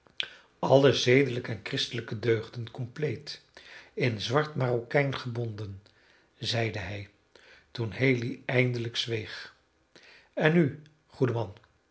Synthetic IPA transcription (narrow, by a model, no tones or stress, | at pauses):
ɑləzejdələkəɛnkrɪstələkədøːχdənkɔmplejt | ɪnzʋɑɹtmaːrokɛjnχəbɔndən | zɛjdəɦɛj | tunɦejliɛjndələkz̥ʋejχ | ɛny | χudəmɑn